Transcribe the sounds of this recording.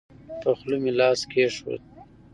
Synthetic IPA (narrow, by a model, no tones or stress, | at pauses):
p̪əxlumilɑːskʰeʂwo̰t̪̚